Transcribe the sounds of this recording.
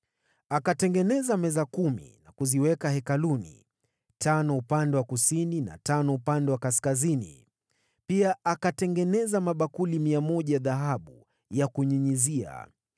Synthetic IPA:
akatɛŋɡɛnɛzamɛzakumḭnakuziwɛkahɛkalunḭ | tanɔupandɛwakusinina̰tanɔupandɛwakaskazinḭ | piaakatɛŋɡɛnɛzamaɓakulimiamɔʄajaðaɦaɓu | jakuɲiɲizia̰

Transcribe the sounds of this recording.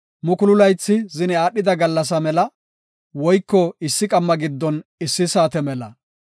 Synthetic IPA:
mʊkʊlʊlɐjt͡sːɪzɪnɛaːɗːɪd̪ɐɡɐlːɐs̬ɐmɛlɐ | wɔjkːɔɪsːɪkʼɐmːɐɡɪd̪ːɔnɪsːɪsaːt̪ɛmɛlɐ

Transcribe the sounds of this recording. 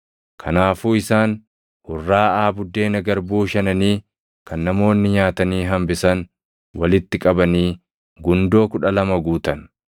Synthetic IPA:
kʰɐnaːfuːɪsaːn | hʊrːaːaːbʊd̪ːe̞ːnɐɡɐɾbuːʃɐnɐniː | kɐnːɐmo̞ːnːɪɲaːt̪ɐniːɦɐmbɪsɐn | wɐlɪt̪ːɪkʼɐbɐniː | ɡʊnd̪o̞ːkʊᶑɐlɐmɐɡuːt̪ɐn

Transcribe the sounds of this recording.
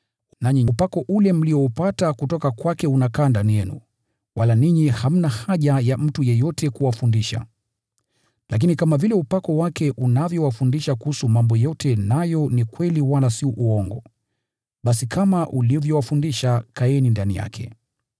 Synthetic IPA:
naɲiupakɔʔulɛm̩liɔupatakutɔkakwakɛunakandanɛnṵ | walaniɲiham̩nahaʄajam̩tujɛjɔtɛkuwafundiʃa̰ | la̰k̬inikamavilɛupakɔwakɛʔunavjɔwafundiʃakuhusumambɔjɔtʰɛnajɔnikwɛliwalasiuʔuɔŋɡɔ | ɓasikʰamaʔulivjɔwafundiʃakaɛnindanḭja̰kʰɛ̰

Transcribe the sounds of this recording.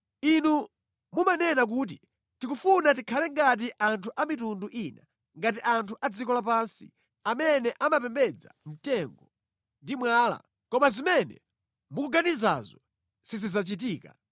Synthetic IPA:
inu | mumanɛnak̬uːt̬i | tikufunat̬ikʰalɛŋɡat̬iʔantʰuʔamitunduʔina | ŋɡat̬iʔantʰuʔad͡zikɔlapansḭ | amɛnɛʔamapɛmbɛd͡za̰m̩tɛŋɡɔ | ndimwaːla̰ | kɔmazimɛnɛ̰ | mukuɡaniza̰zɔ | sizizat͡ʃit̬iːka̰

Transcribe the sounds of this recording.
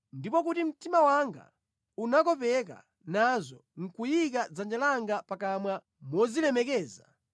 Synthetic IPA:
ndipɔk̬utim̩timawaŋɡa̰ | unakɔpɛka̰ | nazɔŋ̩kujik̬ad͡zand͡ʒalaŋɡapakamwa | mwɔzilɛmɛkɛːza

